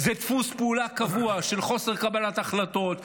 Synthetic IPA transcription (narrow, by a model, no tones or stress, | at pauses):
zet̪fuspeulakavuaʃe̞lχo̞se̞ʁkabalat̪aχlat̪o̞t̪